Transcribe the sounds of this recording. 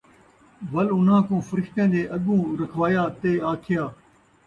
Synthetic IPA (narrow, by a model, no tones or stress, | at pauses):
ʋəlʊn̤ãːkõːfəɾɪkt̪ẽːd̪eːʔɐɠũːɾəkʰʋaːjaːt̪eːaːkʰɪjaː